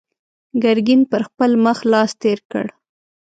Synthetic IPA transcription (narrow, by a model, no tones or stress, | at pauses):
ɡaɾɡinpəɾxpəlməxlɑst̪eɾkə̰ɽ